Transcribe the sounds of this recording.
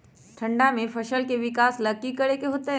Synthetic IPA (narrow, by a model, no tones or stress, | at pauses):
ʈʰɐ̃ɳɖamẽpʰɐʃəlkeʋɪkaːslɐkikɐɽekeɦoːt̪eɦ